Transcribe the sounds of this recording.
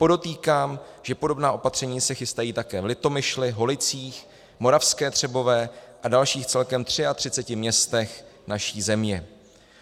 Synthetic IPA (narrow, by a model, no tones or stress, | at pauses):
po̞do̞t̪iːkaːm | ʒ̥ɛpo̞do̞bnaːʔo̞pat̪r̝̥ɛɲiːsɛxɪst̪ajiːt̪akɛːvlɪt̪o̞mɪʃlɪɦo̞lɪt͡siːx | mo̞ɾafskɛːt̪r̝̥ɛbo̞vɛːʔadalʃiːxt͡sɛlkɛmt̪r̝̥ɪat̪r̥ɪt͡sɛcɪmɲɛst̪ɛxnaʃiːzɛmɲɛ